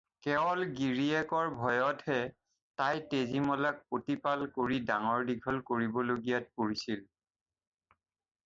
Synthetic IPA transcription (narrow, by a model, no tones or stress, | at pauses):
kɛɔlɡiɹiɛkɔɹbʱɔjɔtʰhɛ | tajtezimɔlak̚potipalkoɹidaŋɔɹdiɡʱɔlkoɹibɔloɡijat̚poɹisil